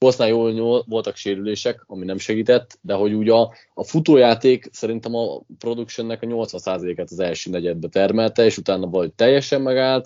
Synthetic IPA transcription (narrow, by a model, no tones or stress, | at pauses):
kosnaːjoːlɲolvo̞lt̪ɒkʃeːɾyleːʃɛkɒminɛmʃɛɡiːt̪ɛt̪ːd̪ɛɦo̞ɟuːɟɒː | fut̪oːjaːt̪eːksɛɾint̪ɛmɒpro̞d̪ukʃɛnːɛkɒɲo̞lt̪sʋɒnsaːzɒleːkat̪ɒzɛlʃøːnɛɟɛd̪̚bɛt̪ɛrmɛlt̪ɛeːʃut̪aːnɒvɒɒɦoc̚ʲt̪ɛjːɛʃɛmːɛɡaːlt̪